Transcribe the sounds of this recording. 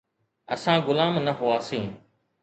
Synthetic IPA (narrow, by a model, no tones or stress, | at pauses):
əsãːɡʊlaːmnəɦʊaːsĩː